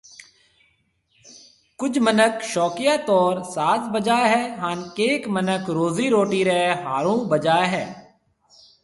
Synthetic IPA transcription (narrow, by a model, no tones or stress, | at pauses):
kʊd͡ʒmənəkʃɔːkɪjaːt̪ɔːɾsaːt̪bəd͡ʒaːɦɛːɦaːnkeːkmənəkɾoːziːɾoːʈiːɾɛɦaːɾũːbəd͡ʒaːeɦɛː